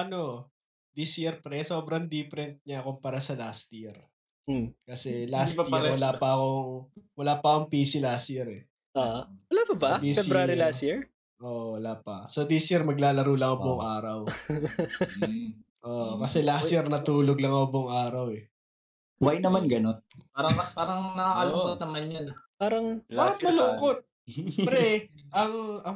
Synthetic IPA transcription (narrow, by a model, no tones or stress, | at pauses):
ʔɐno | d̪isjiɾpɾɛso̞ːbɾɐŋd̪iːfɛɾɛnt̪̚ɲɐkompɐɾasɐlast̪jiɾ | kɐsɛlast̪wɐlaːpɐʔɐko̞ŋwɐlaːpɐkoŋpiːsɪlaːst̪jiɾɛ | awɐlaːpɐbɐd̪isfɛɾaːɾilast̪jiɹ | ʔoːʔwɐlaːpɐsod̪isjiɾmɐɡlaːlɐɾuːlɐŋʊboŋʔaːɾɐw | ʔoːʔkɐsɛlasjɛɾnɐt̪uːloɡlɐŋɐʊboŋaːɾɐwɛ | wajnɐmanɡɐnonpaːɾɐŋpaːɾɐŋnɐkakɐlokot̪̚nɐmanjonpaːɾɐŋaːkɪt̪̚mɐloːkot̪̚ | ɾɛʔɐŋɐ